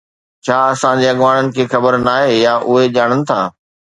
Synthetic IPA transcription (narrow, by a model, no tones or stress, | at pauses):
t͡ɕʰaːɐsãd͡ʑeːɐɠʋaːɽ̃ənɪ̆kʰeːxɐbəɾnaːɦeːjaːʔʊɦed͡ʑaːɽ̃ənɪ̆t̪ʰaː